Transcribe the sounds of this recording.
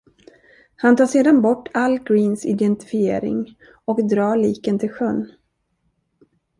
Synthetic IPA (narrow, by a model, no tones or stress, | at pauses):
hant̪ɑːʂeːd̪anbɔʈːalːɡɾiːnsɪd̪ɛnt̪ɪ̥fɪḛːɾɪ̰ŋ | ɔkd̪ɾɑːɭiːkənt̪ʰɪlɧœnː